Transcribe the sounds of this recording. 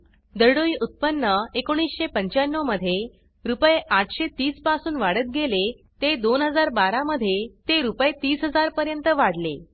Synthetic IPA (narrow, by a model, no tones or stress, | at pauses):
d̪əɽoiːʔut̪̚pənːəekoɽ̃iːsɕepəɲt͡ɕanːoməd̪ʱːje | ɾupjeʔaʈʰɕet̪iːspasuːnʋaɽət̪̚ɡele | t̪ed̪onɦəd͡zaɾbaɾaməd̪ʱːjet̪eɾupjet̪iːsɦəd͡zaɾpəɾjənt̪əʋaɽle